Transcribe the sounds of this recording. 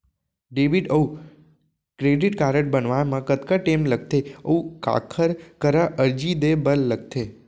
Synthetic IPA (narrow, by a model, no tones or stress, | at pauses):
ɖeʋiɖəu | kɾeɖiʈkaɾəʈ̚bənʋajmãkət̪kaʈemlək̚t̪eəuka̰kʰəɾkəɾaʔəɾd͡ʒid̪ebəlːəɡ̚t̪ʰe